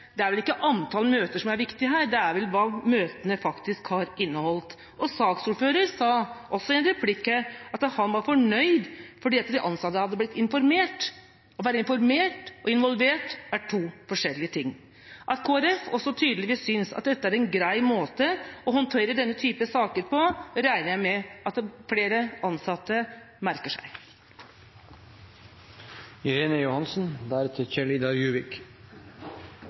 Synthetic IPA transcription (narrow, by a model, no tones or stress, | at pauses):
d̪̥ɛæɾʋɛlɪkːəʔɑnt̪ʰɑːlmøːt̪əʂɔmæɾʋɪkt̪ɪəɦæːɾɖ̪ɛæɾʋɛlʋɑːmøːt̪ənəfɑkt̪ɪskhɑɾɪnːəhɔlt̪ | ʔɔsɑːksuːɾføːɾəɾsɑːʔɔsːɔɛnɾɛpʰlɪkːəɑt̪hɑnʋɑɾfɔɳœʏd̪fɔɖiːɑt̪ːd̪ɛʔɑnsɑt̪ːəhɑd̪ːəb̪ɪt̪ːɪnfɔɾmeːʈ | ɔʋæːɾəɪnfɔɾmeːʈʔɔɪnʋɔlʋeːʈæʈʰuːfɔʂɛlːɪət̪ʰɪŋː | ʔɑt̪kʰoːæɾɛfɔsːɔt̪ʰyːd̪əlɪʋiːssʏnsɑ̰t̪̚d̪ɛt̪ːəæɾɛnɡɾæɪmoːt̪əɔhɔnt̪ʰeːɾəɖɛnːət̪ʰyːpəsɑːkəɾpʰɔɾæɪnəɾjæɪmɛʔɑt̪fleːɾəɑnsɑt̪ːə | mæɾkəʂæ̰ɪ | ɪɾeːnəjʊhɑnsn̩d̪æːɾɛt̪ʰːəçɛɭɪd̪ɑɾjʉːʋɪk